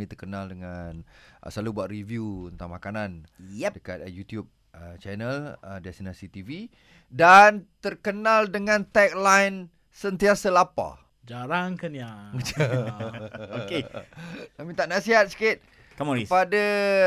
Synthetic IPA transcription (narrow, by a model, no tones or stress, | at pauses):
ĩt̪ərkənaldəŋanʔə̰salubuaʔ̪rivjuənt̪a̰ŋmakananjɛdəka̰t̪̚jut̪jub̚ | ət͡ʃɛnələdɛst̪inasit̪ivi | dant̪ərkənaldəŋãnt̪ɛk̚lajn | sənt̪iasəlapa̰ | d͡ʒaɾaŋkanjaɡə | oke | amit̪aʔnasiɦat̪̚si̥kɪt̪̚ | kaməipada